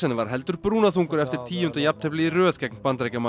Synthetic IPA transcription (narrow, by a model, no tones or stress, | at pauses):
ɛnvaɾ̥ɦɛlt̪ʏɾpɾuːnaθuŋkʏɾɛft̪ɪɾ̥t̪ʰiːʏnt̪ajap̚t̪hɛplɪiɾœːðkɛk̚npant̪ɾɛjkama